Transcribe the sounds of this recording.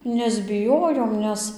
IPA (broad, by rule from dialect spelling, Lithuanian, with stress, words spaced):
nʲɛzʲbʲɪˈjoːjoːm ˈnʲɛs